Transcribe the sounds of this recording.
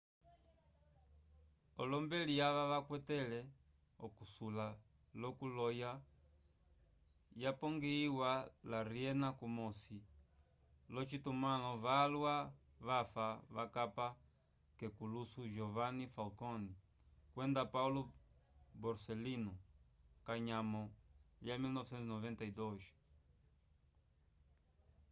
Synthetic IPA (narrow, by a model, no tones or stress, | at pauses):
ɔlɔmbɛlijaʋaβakwɛtɛlɛ | ɔ̰kusula | lɔkulɔja | japɔŋɡiiwalaɾiɛnakumɔsi | lɔt͡ʃitumalɔvalwa | vafavakapa | kekulusuʒɔvanifalkɔni | kwɛ̃nd̪apawlu | bɔɾselinukaɲamɔliamilnɔvesɛ̃nt̪nɔvɛ̃nt̪aid̪ɔʃ